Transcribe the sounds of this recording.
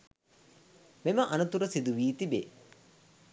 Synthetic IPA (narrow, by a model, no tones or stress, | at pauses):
meməʔɐnɐt̪uɾəsid̪uʋiːt̪ibḛː